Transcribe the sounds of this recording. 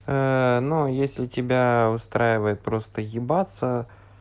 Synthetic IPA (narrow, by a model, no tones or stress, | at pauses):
ənojesʲlʲɪtʲɪbʲaʊst̪ɾajɪvəjɪt̪̚pɾo̞st̪əjʲɪbat̪sə